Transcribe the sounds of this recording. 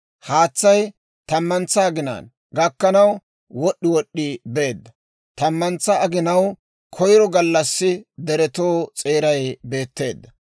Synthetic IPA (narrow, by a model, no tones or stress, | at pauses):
haːt͡sːɐj | t̪ɐmːɐnt͡sːɐːɡɪna̰ːn | ɡɐkːɐnɐw | wɔɗːɪwɔɗːɪbe̞ːd̪ːɐ | t̪ɐmːɐnt͡sːɐɐɡɪnɐw | kʰɔjɾɔɡɐlːɐsːɪd̪ɛɾɛt̪o̞ːt͡sʼeːɾɐjbe̞ːt̪ːe̞ːd̪ːɐ